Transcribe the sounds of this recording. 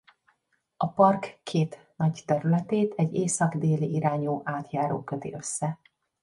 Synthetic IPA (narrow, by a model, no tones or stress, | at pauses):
ʔɒpɒrkːʰeːt̪ | nɒɟt̪ɛɾylɛt̪eːt̪ʰɛɟːeːsɒɡd̪eːliʔiɾaːɲuːʔaːt̪jaːɾo̰ːkøt̪ḭʔø̞sːɛ